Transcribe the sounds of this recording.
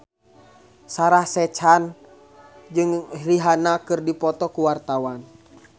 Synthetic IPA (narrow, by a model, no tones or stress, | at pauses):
saɾahsɛt͡ʃan | d͡ʒɨŋriɦanakɨrdipɔt̪ɔkuwart̪awan